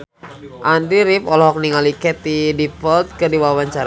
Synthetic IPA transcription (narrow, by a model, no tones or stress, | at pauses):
ʔandɾiɾipɔlɦɔk̚niŋalikɛt̪idipɔlt̪̚kɨrdiwawaɲt͡ʃaɾ